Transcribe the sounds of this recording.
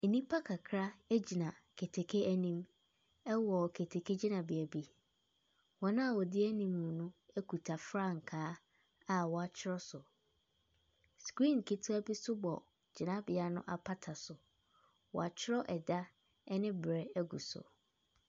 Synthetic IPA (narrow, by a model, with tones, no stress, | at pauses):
e˨nĩ˦pʰa˦kʰa˨kʰɾa˦æ˦d͡ʑi˨nã˨ | kʰe˨tʰe˨kʰe˦æ˦nĩ˦m | ɛ˦wɔ˨kʰe˨tʰe˨kʰe˦d͡ʑi˦nã˨bɪ˨æ˨bi˦ | wɔ˨nã˦a˨wɔ˨dɪ˦æ˦nĩ˨m˨u˨nʊ̃˦æ˦kʰu˨tʰa˨fɾa˦ŋ̩˨kʰaː˦ | a˨wɔ˨a˨t͡ɕʰɪ˦ɾɔ˦sʊ˨ | skɾĩ˦˨n˨kʰe˨tʰu˦a˦bi˦sʊ˦bɔ̰˨ | d͡ʑɪ˨nã˦bɪ˨a˨nʊ̰̃˦ʔa˨pʰa˦tʰa˨sʊ˨ | wɔ̰˨a˨t͡ɕʰɪ˦ɾɔ˦ʔɛ˨da˦ | ɛ˦nɪ̃˦bɾɛ˦æ˦ɡu˨sʊ̰˨